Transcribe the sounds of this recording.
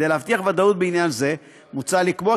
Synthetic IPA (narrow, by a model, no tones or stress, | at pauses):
dejleavft̪iaχvad̪aut̪̚beinjanze̞ | mut͡salikbo